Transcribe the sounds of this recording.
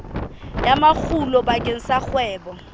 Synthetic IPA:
jamak͡xulɔbakʼen̩sak͡xwɛːbɔ

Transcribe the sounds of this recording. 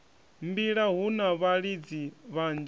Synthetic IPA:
mbiɺaɦunaβaɺid͡ziβand͡ʒ

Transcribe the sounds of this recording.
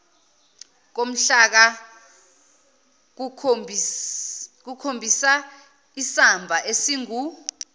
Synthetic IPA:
k̬om̩ɬak̬a | k̬ukʰombʱisa | isambʱaʔesiŋu

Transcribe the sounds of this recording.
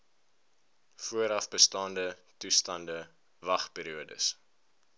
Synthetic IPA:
fuəɾɐfbəstɑːndətustɐndə | vɐχpiːɾiuədə̰s

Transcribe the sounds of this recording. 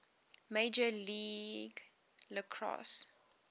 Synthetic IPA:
meɪd͡ʒəliːɡ | ləkʰɹɔ̰s

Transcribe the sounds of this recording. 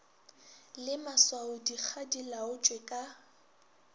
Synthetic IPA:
lɪmaswaʊdik͡xʰadilaʊt͡ʃʼwekʼa

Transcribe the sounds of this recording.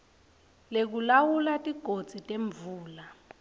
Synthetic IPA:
lek̬ulawulatʼiɡ̥ʱod̥d͡z̥ʱitʼeɱbvuːla

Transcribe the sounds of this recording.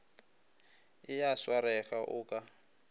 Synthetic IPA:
ɪjaswaɾɛɣaʔʊːkʼa

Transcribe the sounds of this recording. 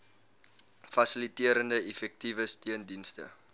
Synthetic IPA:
fɐsilitiəɾəndəɛfɛk̚tivəstiəndinstə̰

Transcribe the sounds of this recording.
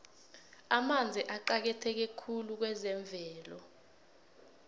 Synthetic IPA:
amand͡zʱɛʔaǃak̬ɛtʰɛk̬ɛkʰuluk̬wɛzɛɱb̪vʱɛːlɔ

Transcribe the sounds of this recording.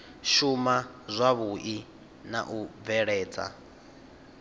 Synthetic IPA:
ʃuma | zʷaβuʔi | na̰ʔub̪vɛɺɛːd͡za̰

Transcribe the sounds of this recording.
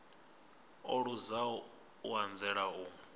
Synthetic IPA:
ɔɺuza | uand͡zɛɺauː

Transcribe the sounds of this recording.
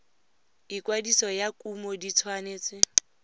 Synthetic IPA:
ikwadisɔjakʼumɔdit͡sʰwaneːt͡sʼɪ

